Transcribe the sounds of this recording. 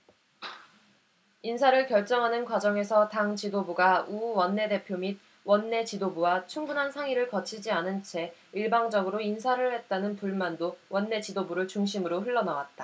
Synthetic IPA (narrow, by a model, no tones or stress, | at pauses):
insʰaɾɯɭkjʌɭt͡ɕ͈ʌŋɦanɯnkwad͡ʑʌŋe̞sʰʌtaŋt͡ɕidobuɡauwʌnːe̞de̞pʰjomid̚ | wʌnːe̞t͡ɕidobuwat͡ɕʰuŋbunɦansʰaŋiɾɯɭkʌt͡ɕʰid͡ʑianɯnt͡ɕʰe̞iɭbaŋd͡ʑʌɡɯɾoins̬ʰaɾɯɭhe̞t̚t͈anɯnpuɭmandowʌnːe̞t͡ɕidobuɾɯɭt͡ɕuŋɕ̬ʰimɯɾoɸɯɭːʌnawat̚t͈a